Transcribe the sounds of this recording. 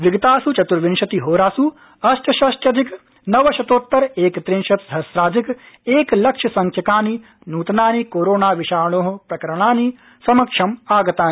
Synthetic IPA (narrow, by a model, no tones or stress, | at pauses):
ʋiɡɐt̪aːsut͡ʃɐt̪uɾʋinʃɐt̪iɦoːɾaːsu | ɐʃʈʰɐʃɐʃʈʰjɐd̪ʱik | nɐʋɐʃɐt̪oːt̪ːɐɾeːkt̪ɾĩnʃɐt̪ɐsɾaːd͡ʒ̪ik | eːklɐkʂʰɐsɐŋkʰjɐkaːni | nuːt̪ɐnaːnikoːɾoːnaːʋiʃaːɾɳ̃oːɦɐ̆pɾɐkɐɾɐɽ̃aːni | sɐmɐkʂɐmaːɡɐt̪aːn